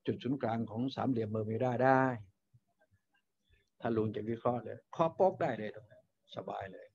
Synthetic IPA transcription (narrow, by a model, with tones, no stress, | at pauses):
t͡ɕu˨˩t̪̚su˩˦nklaː˧ŋkʰɔː˩˦ŋsa̰ː˨˦mli˨˦əmːɤː˧mi˧˩daː˥˩jdaː˥˩j | t̪ʰaː˧˥˩luː˧ŋt͡ɕa˨˩k̚wi˦˧˥kʰɾɔː˧˥˨lɯː˧jkʰɔː˧˥˩po˦˥k̚daː˥˩jlɤː˧jdɔ˧˩ŋ | sa˧ba̰ː˧jlɤː˧j